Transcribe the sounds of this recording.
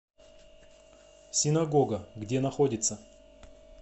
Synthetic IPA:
sʲɪnɐɡo̞ɡəɡdʲe̞nɐxodʲɪt̪sə

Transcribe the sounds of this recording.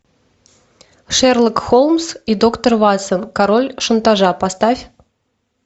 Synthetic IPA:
ʂɛrlˠəkxolˠmsid̪okt̪ərvasənkaɾolʲʂənt̪aʐapast̪afʲ

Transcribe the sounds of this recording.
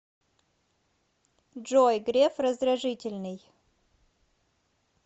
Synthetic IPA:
ʐojɡɾʲefrəzd̪ɾɐʐɨtʲɪlʲnɨj

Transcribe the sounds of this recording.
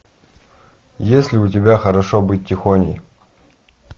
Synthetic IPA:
jesʲlʲɪʊt̬ʲɪbʲaxɐɾɐʂobɨt̚ʲːɪxonʲɪj

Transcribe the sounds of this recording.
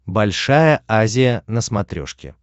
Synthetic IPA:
bɐlʲʂajəazʲɪjənəsmɐt̪ɾʲo̰ʂkʲɪ̰

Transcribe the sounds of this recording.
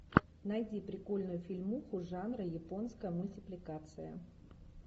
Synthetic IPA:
nɐjdʲipɾʲɪko̞lʲnʊjʊfʲɪlʲmuxʊʐanɾəjɪpo̞nskəjəmʊlʲtʲɪplʲɪkat̪sɨjə̰

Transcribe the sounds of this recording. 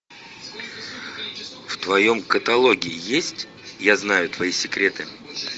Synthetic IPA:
ft̪vɐjo̞mkət̪ɐlˠo̞ɡʲɪɪjesʲtʲ | jaznajʊt̪vɐisʲɪkɾʲe̞t̪ɨ

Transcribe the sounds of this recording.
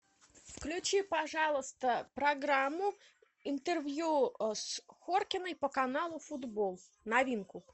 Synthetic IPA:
fklʲʉt͡ɕipɐʐɑlˠəst̪əpɾɐɡɾamːʊ | ɪnt̪ərvʲjusxorkʲɪnəjpəkɐnalˠʊfʊd̪bolˠ | nɐvʲinkʊ

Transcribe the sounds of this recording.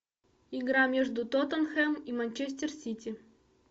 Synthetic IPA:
iɡɾɑmʲeʐd̪ut̪ot̪ənxemimanʲt͡ɕesʲtʲersʲitʲi

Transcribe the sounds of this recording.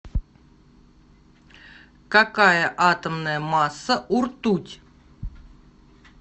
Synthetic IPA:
kakajəʔat̪əmnəjəmasːəʔurt̪utʲ

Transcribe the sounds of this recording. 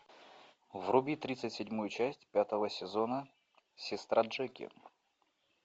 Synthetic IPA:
vrʊbʲit̪ɾʲit̪sɨtʲsʲɪdʲmujʊt͡ɕæsʲtʲpʲat̪əvəsʲɪzonə | sʲɪst̪ɾaʐɛkʲɪ̰

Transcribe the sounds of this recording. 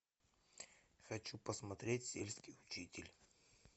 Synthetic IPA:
xɐt͡ɕupəsmɐt̪ɾʲetʲsʲḛlʲskʲijʊt͡ɕitʲɪlʲ

